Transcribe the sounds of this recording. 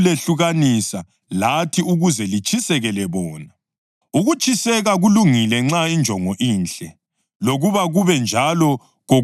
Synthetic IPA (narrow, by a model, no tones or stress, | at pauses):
leɬuɣanisa | latʰiuɣuzɛlit͡ʃʰʼisɛɣɛlɛβɔːna | uɣut͡ʃʰʼisɛɣaɣuluŋilɛŋ͡ǁaind͡ʒʱɔŋɔʔiːnt͡ɬɛ | loɣuβaɣuβɛnd͡ʒʱalɔ | ɣo